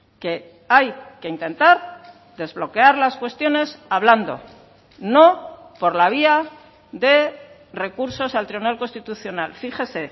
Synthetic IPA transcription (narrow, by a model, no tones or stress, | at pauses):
ke̞ | ajke̞int̪e̞nt̪aɾ | ðe̞zβlo̞ke̞aɾlaskwe̞st̪jo̞ne̞saβland̪o̞̰ | no̞po̞ɾlaβ̞ia | ðe̞ | re̞kuɾso̞salt̪ɾiβunalko̞nst̪it̪uθjo̞nalfiχe̞se̞